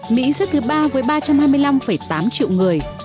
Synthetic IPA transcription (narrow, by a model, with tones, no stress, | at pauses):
mḭ˧˥zɛ̰˦˥t̚t̪ɨ˨˦ɓaː˧vəː˨˦jɓaː˧t͡ɕa˧mhaː˧jmɨ˧əjla˧mfə˧˩jt̪aː˨˦mt͡ɕḭ˧˨əwŋɨ˨˩əj